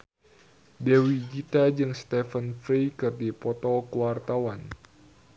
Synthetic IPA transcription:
dewid͡ʒit̪ad͡ʒɨŋst̪ɛfənfɾikɨrdipɔt̪ɔkəwart̪awan

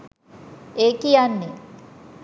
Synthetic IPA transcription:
eːkijanːe

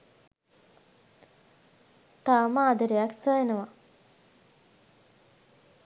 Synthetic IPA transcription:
t̪aːmaːd̪əɾejaksəjenəʋa

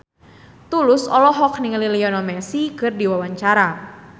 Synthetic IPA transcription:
t̪ulʊsɔlɔɦɔk̚nɪŋlilijɔnɔmɛsikɨrdiwawaɲt͡ʃaɾa

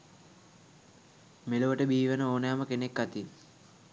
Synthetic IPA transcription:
meloʋəʈəbiːʋənəoːnejaməkenekːat̪i

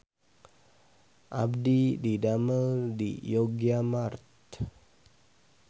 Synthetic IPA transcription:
ʔa̰b̚dididaməldḭjoɡiamart̪̚

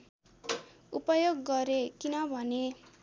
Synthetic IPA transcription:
upʌjoɡːʌɾekinʌbʱʌne

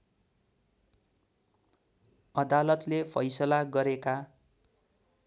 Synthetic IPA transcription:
ʌd̪alʌt̪lepʰʌjsʌlaɡʌɾeka

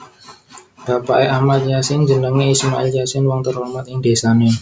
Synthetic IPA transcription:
b̥apaʔeʔahmat̪̚jasɪnd͡ʒənəŋeismaʔɪljasɪnwɔŋt̪əromat̪̚ɪŋd̥̪e̤sane

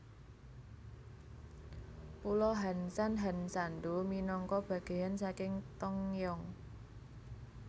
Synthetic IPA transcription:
pulɔɦansanɦansand̪uminɔŋkɔb̥ä̤ɡ̥e̤jansakɪŋt̪ɔŋjɔŋ

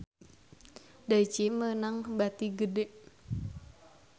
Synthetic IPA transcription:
dait͡ʃimənaŋbat̪iɡədeʔ

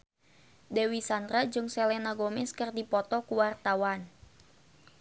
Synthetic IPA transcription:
dewisand̪ɾad͡ʒɨŋsɛlɛnaɡomɪskərdipɔt̪ɔkuwart̪awan

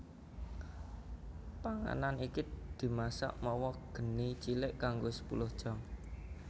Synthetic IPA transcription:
paŋa̰nanikid̪̥i̤masa̰ʔmɔwɔɡ̥ə̤nit͡ʃilɪʔkaŋɡosə̥pṵlʊhd̥ʒ̥ɔ̤ŋ

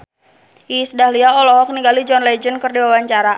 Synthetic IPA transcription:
isdahliaɔlɔɦɔk̚niɡalid͡ʒɔnlɛd͡ʒənkɨrdiwawaɲt͡ʃaɾa

